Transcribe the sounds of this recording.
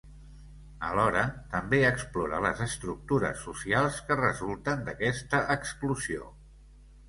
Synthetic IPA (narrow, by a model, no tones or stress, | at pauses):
ə̰lɔɾət̪əmbeəksploɾə̰lə̰zəst̪ɾuk̚t̪uɾə̰sːusialˠskərəzulˠt̪ənd̪əkɛst̪əʔəkskluzio̰